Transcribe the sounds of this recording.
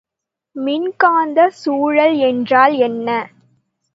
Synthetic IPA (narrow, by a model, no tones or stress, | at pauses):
mɪnkaːnd̪ɐsuːɻɐlɛndraːlɛnːɐ